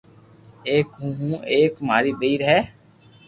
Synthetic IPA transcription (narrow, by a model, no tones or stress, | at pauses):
eːkɦũːɦũːʔeːkmaːɾiːɓeiːɾɦɛː